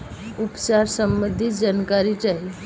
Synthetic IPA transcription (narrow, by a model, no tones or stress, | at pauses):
upt͡ʃaɾsəmbəd̪ʱit̪d͡ʒankaɾit͡ʃaɦi